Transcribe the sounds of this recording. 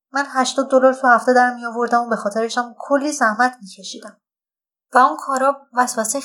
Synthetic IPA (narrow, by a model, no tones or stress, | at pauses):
mænɦæʃt̪ɒːd̪̚ːolɒɾt̪ʰuhæft̪e̞d̪æɾmijɒːvo̞ɾd̪æmobe̞xɒːt̪ʰe̞ɾeʃæmkʰolːiːsæhmæt̪ʰmiːcʰe̞ʃiːd̪æm | væunkʰɒːɾɒːbvæsvæse